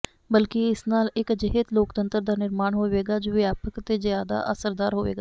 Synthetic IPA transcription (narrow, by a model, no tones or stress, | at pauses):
bəlkɪɪsnaːlɪkd͡ʒɪɦəd̪loːkt̪ənt̪əɾd̪aːnɪɾmaːɳɦoːʋeːɡaːd͡ʒoːʋjaːpəkt̪eːzjaːd̪a̰ːʔəsəɾd̪aːɾɦoːʋḛːɡaː